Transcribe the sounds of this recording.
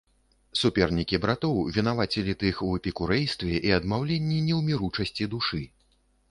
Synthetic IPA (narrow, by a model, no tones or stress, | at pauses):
supʲɛrnʲikʲibɾat̪ɔwvʲinavat͡sʲilʲit̪ɨxwɛpʲikuɾɛjst̪vʲɛʔiɐd̪mawlʲenʲːinʲɛwmʲiɾut͡ʂɐsʲt͡sʲid̪uʂɨ